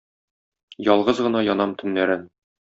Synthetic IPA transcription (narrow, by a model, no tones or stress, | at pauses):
jɒlˠʁɤzʁɤ̆nɑjɒnɑmt̪ɵ̆nːæɾɘn